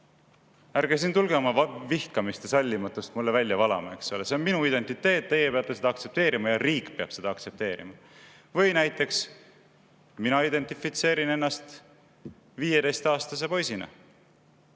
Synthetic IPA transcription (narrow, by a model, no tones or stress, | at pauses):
ærɡ̥es̬int̪ulɡ̥e̞o̞mɑvɑvihkɑmist̪e̞sɑlʲːimɑt̪ːˑust̪mulːevælʲjɑvɑlɑ̰mɑeksoleseonminuid̪e̞nt̪it̪ːˑe̞ːt̪̚ːe̞jepeɑlt̪ese̞d̪ɑkt̪se̞p̚t̪e̞ːɾimɑjɑriːkˑːpe̞ɑb̥se̞d̪ɑɑkt̪se̞p̚t̪e̞ːɾḭmɑ | vɤjnæjt̪ːˑe̞ks | minɑid̪e̞nt̪ˑifit̪se̞ːɾinenːɑst̪ | viːjed̪e̞jst̪ɑːst̪ɑs̬e̞po̞jsinɑ̰